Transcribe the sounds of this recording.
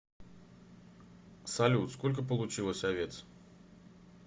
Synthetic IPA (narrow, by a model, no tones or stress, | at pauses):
sɐlʲut̪skolʲk̬əp̬əlˠʊt͡ɕilˠəsʲɐvʲe̞t̪s